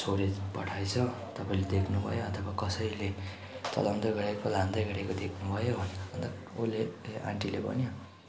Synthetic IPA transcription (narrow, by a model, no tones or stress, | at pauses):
sʰoɾepʌʈʰajt͡sʰʌ | t̪ʌpaĩled̪ekʰnubʱʌ̰joʌt̪ʰʌbakʌsʌjle | t͡sʌ̰lʌmd̪ʌɡʌɾekolãnd̪ʌjɡʌɾekod̪ekʰnubʱʌjobʱʌnʌnt̪ʌ | oleã̰ɳʈilebʌ̰njo